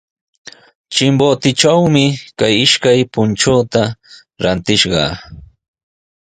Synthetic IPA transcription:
t͡ʃɪmbot̪ɪt͡ʃawmɪkajɪʃkajpʊnt͡ʃoːt̪a | ɾant̪ɪʃɢɑ̰

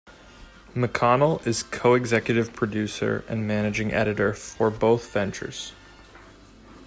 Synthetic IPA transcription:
mɨkʰɑnl̩ˠɪz̥kʰoʊɨɡzɛkjɨɾɨv̥pʰɹ̥ɨdʉsə̰˞ɨ̰̃nmænɨd͡ʒɪ̃ŋʔɛ̰ɾɨɾə˞fə˞boʊθvɛ̃nt͡ʃə̰˞z̥

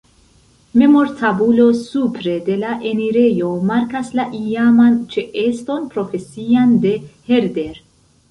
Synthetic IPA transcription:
me̞mo̞ɾtʰabulo̞supɾe̞de̞laʔeniɾe̞jo̞maɾkaslaʔiamant͡ʃe̞ʔe̞sto̞npɾo̞fe̞siande̞he̞ɾde̞ɾ

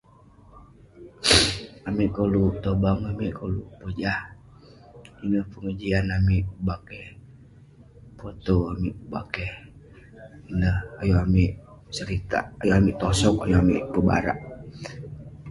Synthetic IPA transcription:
amiʔkolut̪obaŋamiʔkʰolupəd͡ʒah | inəhpəŋəd͡ʒianamiʔbakɛh | pot̪oamiʔba̰kɛh | inəhajuamiʔsəɾit̪a̰ːjuamiʔt̪ɔsɔkajuamḭʔpəba̰ɾa̰ʔ

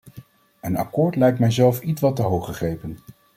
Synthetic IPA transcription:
ənɑ̰kʊːɹtlɛjk̚tmɛjzɛlˠfitʋɑtəɦowχəχrejpən

